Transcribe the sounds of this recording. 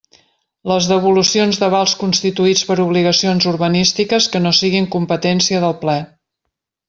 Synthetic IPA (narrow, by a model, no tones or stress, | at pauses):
ləzðəβ̞ulusionzðəβalˠskunst̪it̪uit͡spəɾuβliɣəsionzuɾβənist̪ikəskənosiɣiŋkumpət̪ɛnsiəðəlˠplɛ